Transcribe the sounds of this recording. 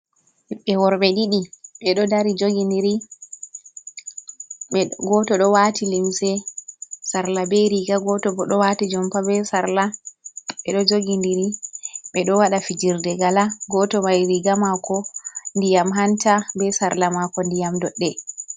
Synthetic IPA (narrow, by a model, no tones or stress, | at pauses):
iɓːɛwɔɾɓɛɗiɗiɓɛɗɔdaɾid͡ʒoɡiniɾi | ɛɡɔtɔɗɔwatilimsɛ | saɾlabɛɾiɡaɡɔtɔbɔɗɔwatid͡ʒɔmpabɛsaɾla | ɓɛɗɔd͡ʒoɡindiɾiɓɛɗɔwaɗafid͡ʒiɾdɛɡalaɡɔtɔmajɾiɡamakɔndijamɦantabɛsaɾlamakɔndijamdɔɗːɛ